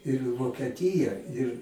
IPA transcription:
ɪr ʋoːkʲɛˈtʲiːjɛ ɪr

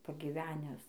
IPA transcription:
pɐɡʲiːˈʋʲæːnʲɛs

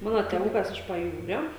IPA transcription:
ˈmɑːnoː tʲeːˈʋʊkɐs ɪʃ pɐˈjuːrʲoː

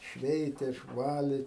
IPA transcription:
ˈʃʲʋʲɛɪtʲeː ɪʃˈʋɑːlʲeː

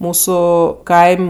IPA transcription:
ˈmuːsʊ ˈkɐɪmʲ

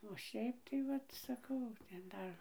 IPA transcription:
oː ˈʃʲɛɪp tɐɪ ˈʋɐt sɐˈkɐʊ tʲɛn ˈdɐr

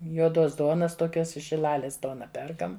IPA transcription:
juɔˈdoːs ˈduɔnɐs toːˈkʲoːs ɪʃ ʃʲɪˈlˠɑːlʲeːs ˈduɔnɐ ˈpʲɛrkɐm

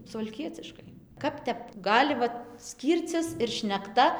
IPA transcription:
sʊʋɐlʲˈkʲiɛt͡sʲɪʃkɐɪ ˈkɐp tʲɛp ˈɡɑːlʲɪ ˈʋɐt ˈsʲkʲiːrʲt͡sʲɪs ɪr ʃʲnʲɛkˈtɐ

